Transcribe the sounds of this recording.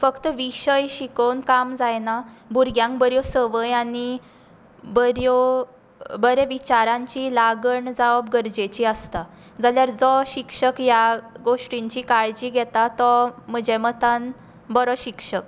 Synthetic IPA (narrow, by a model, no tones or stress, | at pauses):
fəkt̪əʋiɕəjɕikownkamd͡zajnabuɾɡjãŋkbəɾjɔsəʋəjañi | bəɾjo | bəɾɛʋit͡ɕaɾãɲt͡ɕilaɡəɳd͡zaʋəbɡəɾd͡ʑet͡ɕiəst̪a | d͡zaljaɾd͡zɔɕikʂəkjaɡoʂʈiɲt͡ɕiːkaɭd͡ʑiːɡʱɛt̪at̪ɔməd͡ʑɛmət̪an | bɔɾɔɕikʂək̚